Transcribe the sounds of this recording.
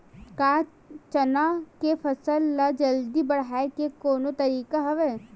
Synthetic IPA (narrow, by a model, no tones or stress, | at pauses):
kaː | t͡ʃɐnakepʰɐsəlːad͡ʒɐld̪ibɐɽ̤aːekekoːnot̪ɐɾiːkaɦɐʋeː